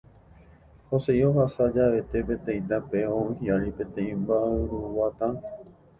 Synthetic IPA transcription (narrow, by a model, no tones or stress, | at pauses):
hosejoɦasad͡ʒaʋe̞t̪e̞pẽt̪ẽj̃nd̪apeoũhiaɾipẽ̞t̪ẽĩmbaʔɨɾuʋat̪ãn